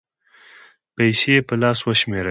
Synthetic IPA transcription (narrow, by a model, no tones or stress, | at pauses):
pajsepəlɑswəʃmeɾ